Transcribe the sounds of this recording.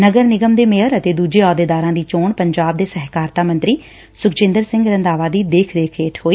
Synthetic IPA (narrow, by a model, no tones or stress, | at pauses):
nəɡəɾnɪɡəmd̪eːmeɦəɾət̪eːd̪uːd͡ʒeːɔːd̪eːd̪aːɾãːd̪iːt͡ʃoːɳpəɲd͡ʒaːb̚d̪eːsɛɦkaːɾt̪aːmə̃nt̪ɾiː | sʊkt͡ʃɪ̃nd̪əɾsɪ̃ŋɡɾə̃nd̪aːʋaːd̪iːd̪eːkʰɾeːkʰeːʈʰɦoːiː